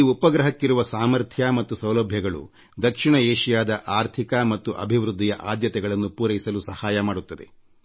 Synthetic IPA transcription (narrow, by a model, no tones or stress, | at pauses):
iupɐɡɾɐɦɐkːiɾuʋɐsaːmɐɾt̪ʰjamɐt̪ːusɐwlɐbʱjɐɡɐɭṵ | d̪ɐkʂiɳɐeːʂijaːd̪ɐʔaːɾt̪ʰikɐmɐt̪ːuʔɐ̰bʱiʋɾud̪ʱːijɐʔaːd̪jɐt̪ɛɡɐɭɐnːupuːɾɐjisɐlusɐhaːjɐmaːɽut̪ːɐd̪e̞̰